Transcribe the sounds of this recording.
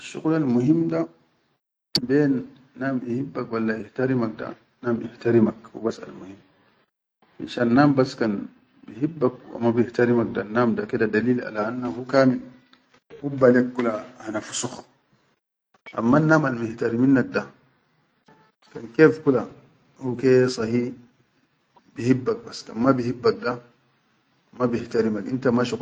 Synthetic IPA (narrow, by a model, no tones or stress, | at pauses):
ʃṵkulalmuɦimda | benː | amihibːakwalːaihtaɾimak̚da̰ | namihtaɾimakwṵbasa̰lmuhim | ʔḭʃanːambaskan | biɦibːak̚wa̰mːabihtaɾimak̚danamdakedadaliːla̰lanːahukaːmin | hubːalek̚ɡulahanafu̥sux | ʔa̰mːanːaːmalmɪht̪aɾiminːak̚da | kankeːfkula | hukesˤɑhiː | bihibːak̚basːka̰nmabihibːak̚da | mabiht̪aɾimakʔint̪amaʃuk